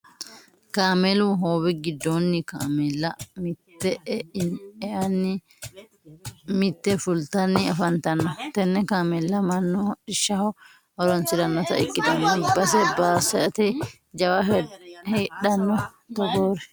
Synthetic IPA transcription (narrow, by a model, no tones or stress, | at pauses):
kaːmɛluɦoːwɪɡɪd̪ːonːɪkaːmɛlːɐmɪt̪ːɛʔɛnɛʔɐnːɪ | mɪt̪ːɛfʊlt̪ɐnːɪɐfɐnt̪ɐnːɔt̪ɛnːɛkaːmɛlːɐmɐnːɔᶑɪʃːɐhɔ | ɔɾɔnsɪd̪ɐnːɔt̪ɐ̰ɪkʼːɪd̪ɐnːɛbɐsɛbaːsɛʔɐt̪ɛ | d͡ʒɐwɐhɛːɗɐnːɔ | t̪ɔɡoːɾɛ